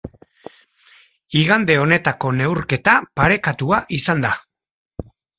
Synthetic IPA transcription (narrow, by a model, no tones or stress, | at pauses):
iɣand̪e̞o̞ne̞t̪ako̞ne̞wɾke̞t̪apaɾe̞kat̪uaʔisand̪a